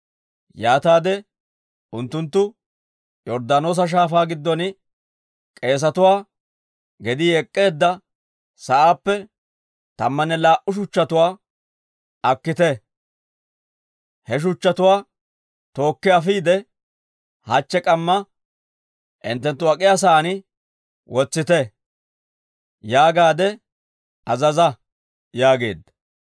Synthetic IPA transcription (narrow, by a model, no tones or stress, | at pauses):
jaːt̪aːd̪ɛ | ʊnt̪ːʊnt̪ːʊ | jɔɾd̪aːno̞ːs̬ɐʃ̬aːfaːɡɪd̪ːɔnɪ | kʼe̞ːs̬ɐt̪ʊwaː | ɡɛd̪ɪɛkʼːe̞ːd̪ːɐ | sɐʔaːpːɛ | t̪ɐ̰mːɐnːɛlaːʔʊʃ̬ʊt͡ʃːɐt̪ʊwaː | ɐkːɪt̪ɛ | hɛʃ̬ʊt͡ʃːɐt̪ʊwaː | t̪o̞ːkːɪɐfiːd̪ɛ | hɐt͡ʃːɛkʼɐmːɐ | ʔɪ̰nt̪ːɛnt̪ːʊɐkʼɪjas̬aːnɪ | wɔt͡sːɪt̪ɛ | jaːɡaːd̪ɛ | ɐzɐzɐ | jaːɡe̞̰ːd̪ːɐ̥